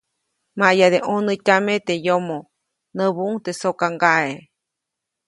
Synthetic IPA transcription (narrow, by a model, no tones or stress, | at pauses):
majad̪eʔonɨtʲamet̪ejomo | nəβuʔuŋt̪esokaŋɡae